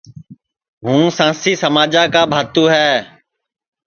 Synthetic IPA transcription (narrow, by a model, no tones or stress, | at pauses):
ɦũːsãːsiːsəmaːd͡ʒaːkaːbʱaːt̪ũːɦɛː